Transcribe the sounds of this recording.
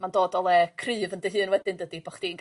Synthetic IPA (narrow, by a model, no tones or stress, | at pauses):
mandoːdɔlˠɛkʰrɨːvəndəɦɨːnwɛdɨndədibɔχd̥inɡ